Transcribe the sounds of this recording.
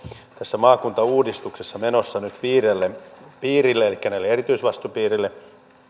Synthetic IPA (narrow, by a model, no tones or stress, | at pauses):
t̪æsːæmɑːkunt̪ɑuːdist̪uksesːɑmenosːɑnyt̪ʋiːɾelːepiːrilːeelikːænæilːeerit̪yisʋɑst̪upiːrilːe